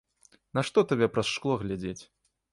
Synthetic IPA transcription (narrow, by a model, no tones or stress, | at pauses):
nɐʂt̪ɔt̪abʲɛpɾɐsʂklˠɔɣlʲad͡zʲet͡sʲ